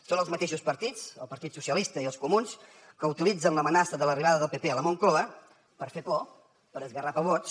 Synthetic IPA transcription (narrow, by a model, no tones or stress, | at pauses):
sonəlˠzmət̪eʃuspəɾt̪it͡səlˠpəɾt̪it̪susiəlist̪əiəlˠskumuns | kəuwt̪ilid͡zənləmənasəðələriβ̞aðəðəlˠpepeələmoŋkoβə | pəɾfekɔ | pəɾəzɣərapəβot͡ʃ